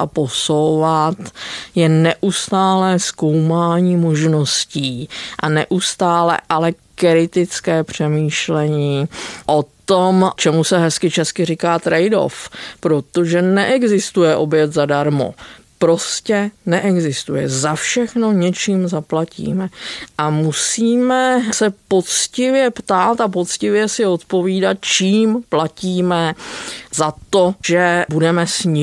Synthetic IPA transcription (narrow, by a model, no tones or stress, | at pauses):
ʔapo̞sowvat̪jɛnɛʔust̪aːlɛːsko̞wmaːɲiːmoʒno̞sciːʔanɛʔust̪aːlɛ̰ʔalɛkɾɪt̪ɪt͡skɛːpr̝̥ɛmiːʃlɛɲiːʔo̞t̪omt͡ʃɛmusɛɦɛskɪt͡ʃɛskɪrikaːt̪ɾɛjdo̰fpɾot̪oʒɛnɛʔɛɡzɪst̪ujɛʔo̞bjɛt̪zadaɾmo̰ | pɾo̞scɛnɛʔɛɡzɪst̪ujɛ̰zafʃɛxno̞ɲɛt͡ʃiːmzaplacḭːmɛʔamusiːmɛsɛpo̞t͡scɪvjɛpt̪aːt̪ap̬o̞t̪t͡scɪvjɛsɪo̞t̪po̞viːdat̪̚t͡ʃiːmplaciːmɛ | zat̪oʒ̥ɛbudɛmɛsɲɪ